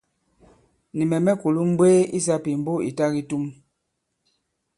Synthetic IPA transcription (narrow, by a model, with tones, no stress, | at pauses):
ni˨mɛ˨mɛ˦ku˨lu˦m̩˦bwe˦i˦s̬a˦pi˨m̩˦bo˦ḭ˨ta˦ɣi˦tu˦m